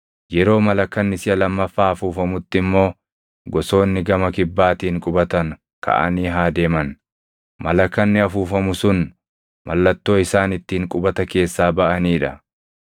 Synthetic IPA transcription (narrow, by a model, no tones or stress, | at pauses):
jɛɾo̞ːmɐlɐkːɐnːɪsɪjɐlɐmːɐfːaːɐfuːfɐmʊt̪ːɪmːo̞ː | ɡɔso̞ːnːɪɡɐmɐkɪbːaːt̪iːŋkʼʊbɐt̪ɐŋ | kʰɐ̰ʔɐ̰niːɦaːd̪e̞ːmɐn | mʔɐlɐkːɐnːɪɐfuːfɐmʊsʊn | mɐlːɐt̪ːo̞ːɪsaːnɪt̪ːiːŋkʼʊbɐt̪ɐke̞ːsːaːbɐʔɐniːᶑɐ̰